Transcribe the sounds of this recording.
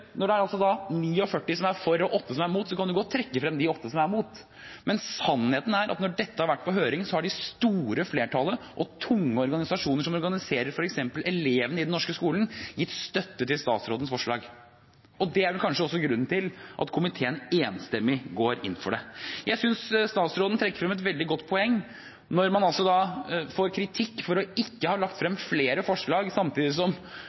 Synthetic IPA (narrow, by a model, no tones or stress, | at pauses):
nɔɖɛæɾɑlsɔd̪ɑniːɔfœʈːɪsɔmæɾfɔɾɔʔɔt̪ːəsɔmæɾmuːt̪sɔkʰɑnd̪ʉɡoːɔt̪ʰɾɛkːəfɾɛmd̪ɪɔt̪ːəsɔmæɾmuːt̪ | mɛnsɑnːheːt̪n̩æɾʔɑ̰t̪nɔɖɛt̪ːəhɑɾʋæʈːpɔɦøːɾɪŋnsɔhɑɖɪst̪uːɾəfleːʈʰɑləʔɔt̪ʰʊŋːəɔɾɡɑnɪsɑʂuːnəɾʂɔmɔɾɡɑnɪseːɾəɾfɔɾɛksɛmpəlɛleːʋənəɪd̪ɛnɔʂkəskuːlənjɪt̪ːst̪œt̪ːət̪ɪlst̪ɑ̰ːt̪sɾoːd̪ənsfɔʂɭɑːɡ | ʔɔd̪ɛæɾʋɛlkʰɑnʂəɔsːɔɡɾʉn̩ːt̪ʰɪlʔɑ̰t̪kʰʊmɪt̪ʰeːəneːnst̪ɛmːɪɡoːɾɪ̰nːfɔɖɛjʔæɪsʏnsst̪ɑːt̪sɾoːd̪n̩t̪ʰɾɛkːə̥ɾfɾɛmɛt̪ʋɛld̪ɪɡɔt̪ːpʰɔɛŋː | nɔɾmɑnɑlsɔd̪ɑfoːɾkʰɾɪt̪ʰɪkːfɔɾɔɪkːəhɑːlɑkt̪fɾɛmfleːɾəfɔʂɭɑːɡsɑmt̪ʰiːd̪ɪsɔm